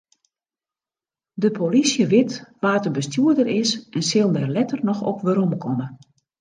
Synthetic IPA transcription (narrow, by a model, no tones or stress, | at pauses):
dəpʰolisjəʋɪtʋaːtəbəstjuərdərɪsʔɛnsɪlˠndɛrlɛtərnɔxɔ̰pʋəɾɔmkʰɔmə